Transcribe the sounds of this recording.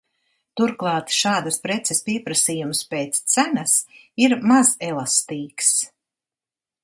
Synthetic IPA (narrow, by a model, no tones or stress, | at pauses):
t̪uɾklˠɑːt̪ʃaːd̪əspɾɛt̪sɛspʲiɛpɾasiːjumspeːt̪st̪sænas | iɾmazɛlˠast̪iːks